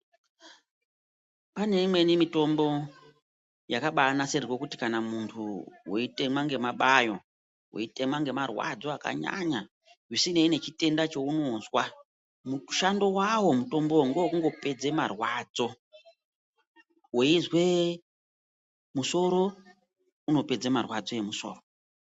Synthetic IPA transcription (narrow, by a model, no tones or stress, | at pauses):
pane̞imwe̞nimito̞mbo̞ | jakaɓaːnaserirwokuti̥kanamuntʰuweite̞mwaŋɡe̞maɓajo̞ | wḛite̞mwaŋɡe̞marwa̰d͡zo̞aka̰ɲa̰ɲa | ʐisineine̞t͡ʃite̞ndat͡ʃo̞uno̞zwa | muʃando̞wawo̞muto̞mbo̞ŋɡouŋɡo̞pe̞d͡ze̞marwad͡zo̞ | weizwe̞ | muso̞ɾo̞ | uno̞pe̞d͡zemarwad͡zo̞je̞muso̞̰ːro